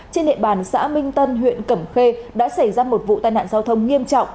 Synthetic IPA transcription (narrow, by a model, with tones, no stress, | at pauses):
t͡ɕe˧nɗḭ˧˨ɓaː˨˩nsa̰ː˧˥mï˧ŋ̟t̪ə˧nɦwḭ˧˨ənkə˧˩mxe˧ɗa̰ː˧˥sa˧˩jzaː˧mo˨˩t̚vṵ˧˨t̪a̰ː˧˨jna̰ː˧˨nzaː˧wt̪ʰə˧wŋ͡mŋi˧əmt͡ɕɔ̰˧˨wŋ͡m